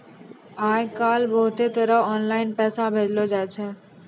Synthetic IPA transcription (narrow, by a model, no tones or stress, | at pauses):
aːjkaːlbəːʊt̪eːt̪əɾəɦɔːnlaːɪnpɛːsãbʱeːd͡ʒloːd͡ʒaːet͡ʃʰeː